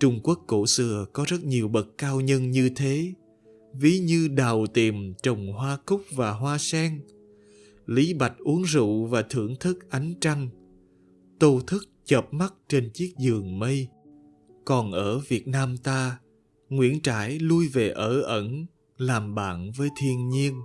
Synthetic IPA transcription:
t͡ɕʊ˧ŋ͡mku˦˥əkːo˧˩sɨ˧˩əkɔ˨˦zə˦˥t̚ɲi˨˩əwɓə˨˩kkaː˧wɲə˧nɲɨ˧t̪ʰe˨˦ | vi˨˦ɲɨ˧ɗa˨˩wt̪i˨˩mt͡ɕə˨˩wŋ͡mɦwaː˧kʊ˦˥k͡p̚vaː˨˩ɦwaː˧sɛ˧ŋ | li˨˦ɓa˨˩jk̟̚ʔu˨˦əŋzṵ˧˨vaː˨˩t̪ʰɨ˧˩əŋt̪ʰɨ˦˥k̚ʔa˨˦jŋ̟t͡ɕa˧ŋ | t̪o˧t̪ʰɨ˦˥k̚t͡ɕə˨˩p̚ma˦˥t̚t͡ɕe˧nt͡ɕi˦˥ək̚zɨ˨˩əŋmə˧j | kɔ˨˩nʔəː˧˩vi˨˩ət̚naː˧mt̪aː˧ | ŋwḭ˧˥ənt͡ɕaː˧˩jlu˧jve˨˩ʔəː˧˩ʔə˧˩n | laː˨˩mɓa̰ː˧˩nvəː˨˦jt̪ʰi˧ənɲi˧ən

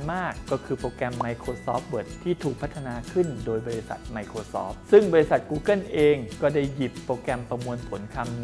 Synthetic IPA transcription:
nmaː˥˩kːɔː˥˩kʰɯː˧pɾoː˧kɛ˧mːa˧jkʰɾoː˧sɔː˦˥p̚wɤ˨˩t̪ʰːiː˥˩t̪ʰuː˨˩k̚pʰt̪ʰːa˧naː˧kʰɯ˥˩ndoː˧jbɔː˧ɾi˧sa̰˨˩t̪̚ma˧jkʰɾoː˧sɔ̰ː˦˥p̚sɯ˥˩ŋbɔː˧ɾi˧˥sa˨˩t̪̚kuː˧kɤ˥˩nʔeː˧ŋkɔː˥˩da˥˩jji˨˩pːoː˧kɛ˧mpɾa˧mu˧ənpʰo˩˦nkʰa˧m

